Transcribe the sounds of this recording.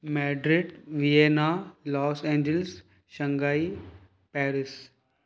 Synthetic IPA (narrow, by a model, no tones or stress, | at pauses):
mɛːɖɾiɖʋijeːnaːlɔːsẽːɲd͡ʒəls | ʃə̃ŋɡaːi | pɛːɾɪs